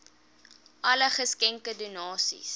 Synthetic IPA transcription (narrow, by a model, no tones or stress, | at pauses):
ʔɐləχəskɛŋkədunɑːsḭs